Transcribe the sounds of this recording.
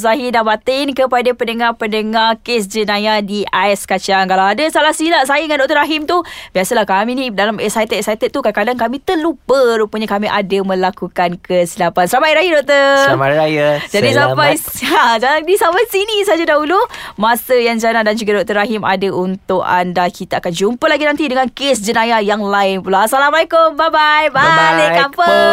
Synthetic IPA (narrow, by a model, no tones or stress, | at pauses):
zaɦidabat̪ɪnkəpadapəndəŋarpəndəŋarkes̬d͡ʒənajadiaɛskat͡ʃaŋkalawadəsalahsəilaʔsajəŋandɔʔk̚t̪əɾaɦimt̪ubiasəlahkaminidalamɛsajt̪ət̪sajt̪ət̪̚ːukakadaŋkamit̪əlupəɾupəɲakamiʔadəmə̃lakukankəsilapansəɾamajɾaɦidɔʔ̚t̪əmaɾajəd͡ʒadisapajad͡ʒalaŋdisamasinisad͡ʒadaɦulumasəjaŋd͡ʒanandand͡ʒuɡadɔʔ̚t̪əɾaɦima̰dəʔunt̪ʊka̰ndakit̪aakand͡ʒumpəlaɡinãnt̪idəŋankesd͡ʒənajajaŋlaɪnpulasalamalakʊmbabajbaekamə